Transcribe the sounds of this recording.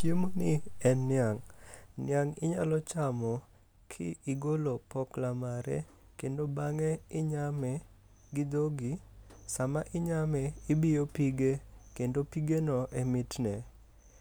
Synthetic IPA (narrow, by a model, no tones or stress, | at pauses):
t͡ʃjemonɪɛnːɪaŋnɪ̰aŋɪ̰ɲa̰lɔt͡ʃamɔ | kʰɪ̰ɪɡolopɔklamaɾɛ̰ | kendobaŋɛɪɲamɛ | ɡɪd̪oɡisamaʔɪɲamɛɪbɪjopiɡekendopiɡenɔʔɛmɪtnɛ